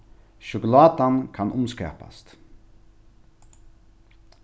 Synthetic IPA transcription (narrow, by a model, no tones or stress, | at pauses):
ʃʊkʊlɑːd̪ɑnkʰɑnʔʊmskɛ̰ːpɑ̰st̪